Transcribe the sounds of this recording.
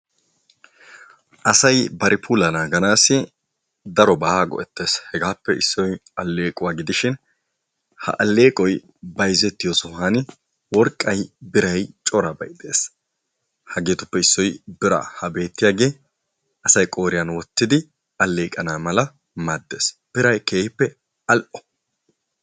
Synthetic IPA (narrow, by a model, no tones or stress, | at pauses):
ʔɐsɐjbɐɾʔɪpʰuːlɐnaːɡɐnaːsɪ | d̪ɐɾɔbɐhaːɡɔ̰ʔɛt̪ːe̞ːshɛɡaːpːɛɪsːɔjɐlːe̞ːkʼʊwaːɡɪd̪ɪʃɪn | hɐ̰ʔɐlːe̞ːkʼɔj | bɐjzɛt̪ːɪjoːsɔɦanɪ | wɔɾkʼːɐjbɪɾɐjt͡ʃʼɔɾɐbɐ̰jd̪e̞̰ːs | hɐɡeːt̪ʊpːɛɪsːɔjbɪɾɐ̰hɐbe̞ːt̪ːɪjaːɡe̞ː | ɐsɐjkʼo̞ːɾɪjɐnwɔt̪ːɪd̪ɪ | ɐlːe̞ːkʼɐnaːmɐlɐ | mad̪ːe̞̰ːsb̥ɪɾɐjkeːhɪpːɛ | ɐlʔɔ̥